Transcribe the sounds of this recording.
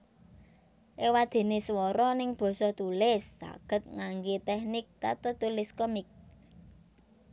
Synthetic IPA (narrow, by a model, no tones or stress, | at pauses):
ʔewad̪̥e̤neswɔɾɔnɪŋb̥ɔ̤sɔt̪ulɪsːa̰ɡ̥ə̤t̪̚ŋaŋɡet̪ɛhnɪk̚t̪a̰t̪ət̪ulɪskəmɪk̚